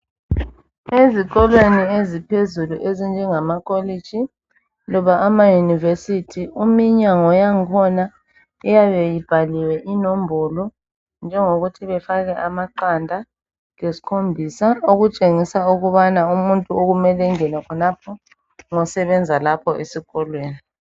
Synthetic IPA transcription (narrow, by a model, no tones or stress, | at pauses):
ezik̬ɔlweniezipʰezuluʔezind͡ʒʱɛŋamakʰʼɔled̥ʒ̥ʱi | lɔβaʔamajunivesitʰiumiɲaŋɔjaŋkʰɔna | ɛjaβɛjib̥ʱaliwɛʔinombʱɔlɔ | nd͡ʒʱɛŋoɣutʰiβɛfaɣɛʔamaǃandʱa | ŋesi̥kʰombʱisaoɣut͡ʃʼeŋisauɣuβanaumuntʼuoɣumɛlɛŋɛnɛkʰɔnapʰɔ | ŋɔsɛβɛnd͡zʱalapʰɔʔesiɣɔlweːni